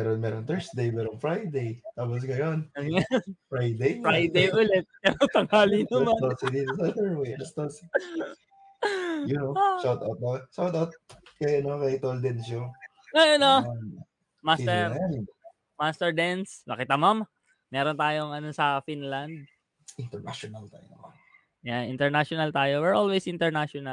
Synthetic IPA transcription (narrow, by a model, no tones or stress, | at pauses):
ɛɾonmɛːɾont̪ɛɹsd̪ejmɛːɾonfɹajd̪ejt̪aːp̬os̬ɡɐjonɐanfɹajd̪ejɹajd̪ejʔʊlɛt̪̚pɛɾot̪ɐŋaːlinɐmanosid̪id̪osɐd̪ɛɹwejɐst̪os | jʊnoʃawt̪awt̪̚noʃawt̪awt̪̚kɐjɐnokɐɪt̪old̪ɛnʃo | ɐjʔɐno | mast̪ɛɾɛn | mast̪ɛɹd̪ɛnsnɐkɪt̪ɐmam | mɛːɾont̪aːjo̞ŋɐnosɐfinlɐnd̪̚ | ɪnt̪ɛɹna̰ʃonɐlt̪a̰ːjonɐman | jaʔɪ̰nt̪ɛɹnaʃonɐlt̪aːjowɛɹʔolwesɪnt̪ɛɹnaʃonɐl